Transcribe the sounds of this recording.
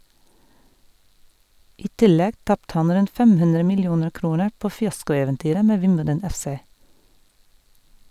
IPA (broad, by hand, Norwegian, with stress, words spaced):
ˈiː ˈtɪˌlɛɡ ˈtɑptə ˈɑn ˈɾʉnt ˈfɛm ˈhʉndɾə mɪlˈjuːnəɹ ˈkɾuːnəɹ ˈpoː fɪˈɑskʊɛʋɛnˌtyːɾə ˈmeː ˈʋɪmbədən ˈɛfˌseː